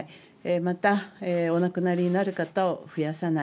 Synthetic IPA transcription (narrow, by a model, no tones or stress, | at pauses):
emat̪aeo̞nakɯ̟naɾʲiɲ̟inaɾɯ̟kat̪aoɸɯ̟jasana